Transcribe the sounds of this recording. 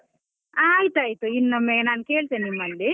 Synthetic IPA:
aːjt̪uaːjt̪uinːɐmːenaːnkeːɭt̪enːimːɐlːi

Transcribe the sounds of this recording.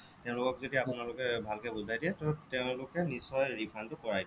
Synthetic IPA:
tɛʊ̃lʊkɔkzodiapunalʊkɛbʱalkɛbuzʱajdiɛtɔtɛʊ̃lʊkɛnisɔjɹipʰantʊkɔɹajd

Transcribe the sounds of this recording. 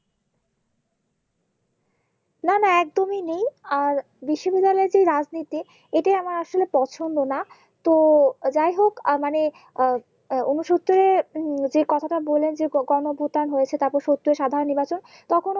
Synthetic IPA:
nanaɛk̚d̪ominejaɾ | biʃːobid̪ːalɔeɾd͡ʑejɾad͡ʑnit̪i | eʈajamaɾaʃolepɔt͡ɕʰond̪ona | t̪od͡ʑajɦokmane | onuʃot̪ːoɾed͡ʑekɔt̪ʰaʈabolːend͡ʑeɡɔnobʱut̪aonɦojet͡ɕʰet̪aɾpoɾʃot̪ːoɾeʃad̪ʱaɾonːiɾbat͡ɕon | t̪ɔkʰon

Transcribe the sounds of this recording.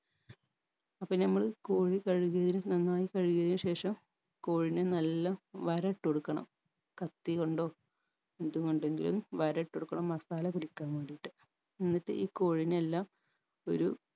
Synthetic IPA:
ɐpːɐnɐmːɐɭko̞ːɻikɐɻuɣjɐðinɨnɐnːaːjikɐɻiɣjɐðinuɕe̞ːʂɐm | ko̞ːɻinenɐlːɐʋɐɾɐʈːoɽukːɐɳɐ̰m | kɐt̪ːiɣo̞ɳɖo̞ː | end̪uɣo̞ɳɖe̞ŋɡḭlṵmʋɐɾɐʈːoɽukːɐɳɐmːɐsaːlɐpuɽikʲːaːŋkoɳɖijʈːɨ̥ | enːiʈːɨʔiːko̞ːɻinelːaːm | o̞̰ɾu

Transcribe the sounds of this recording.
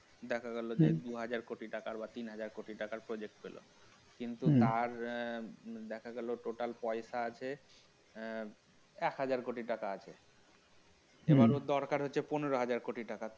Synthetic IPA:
d̪ɛkʰaɡɛlod͡ʑed̪uɦad͡ʑaɾkoʈiʈakaɾbat̪inɦad͡ʑaɾkoʈiʈakaɾpɾod͡ʑek̚ʈpelʔo̰ | kint̪ut̪aɾ | d̪ɛkʰaɡɛloʈoʈalpɔeʃaat͡ɕʰe | ɛkɦad͡ʑaɾkoʈiʈakaat͡ɕʰe | ebaɾod̪ɔɾkaɾɦotːɕʰeponeɾoɦad͡ʑaɾkoʈiʈaka

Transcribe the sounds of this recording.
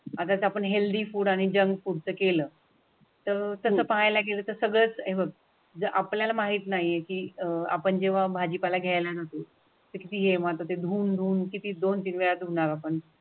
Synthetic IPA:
at̪at͡sapəɳɦeld̪iːfuːɽaɽ̃id͡ʑəŋɡfuːɽt͡səkeləː | t̪əɾt̪əsəːpaɦajlaɡeləːt̪əɾsəɡɭəːt͡sɦeʋəɡ̚ | d͡zəʔapljalamaɦiːt̪naɦiekiːəa̰pəɳd͡ʑeʋ̤abʱad͡ʑipalaɡʱjajlanat̪o | t̪əkit̪iːɦemat̪ot̪ed̪ʱuːnd̪ʱuːnkit̪iːd̪ont̪iːnʋeɭat̪uɽ̃aɾapəɳ

